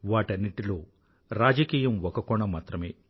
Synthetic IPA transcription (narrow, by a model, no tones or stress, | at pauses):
ʋaːʈɐnːiʈilo̞ː | ɾaːd͡ʒɐkiːjɐmʋɔkɐkɔɳɐmaːt̪ɾɐme̞ː